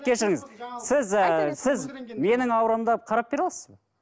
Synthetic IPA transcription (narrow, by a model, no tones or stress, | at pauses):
kʲʰe̞ʃɪɾɪŋɪzsɪzəsɪzme̞nɪŋɑwɾɑmd̪ɑqʰɑɾɑp̚be̞ɾɑlˠɑsəzb